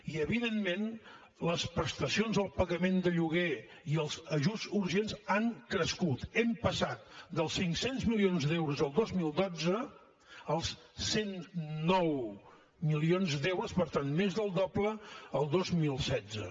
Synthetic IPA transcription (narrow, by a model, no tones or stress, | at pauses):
iəβiðemmen | ləspɾəst̪əsionzəlˠpəɣəmend̪əʎuɣe | iəlˠzəʒuzuɾʒenzaŋkɾəskut̪ɛmpəsat̪̚d̪əlˠsːiŋksenzmilionzd̪ɛwɾuzəlˠd̪ozmilˠd̪od͡zə | əlˠs | senːɔw | milionzd̪ewɾuspəɾt̪anmezðəlˠd̪ɔbləəlˠd̪ozmilˠsɛzə̰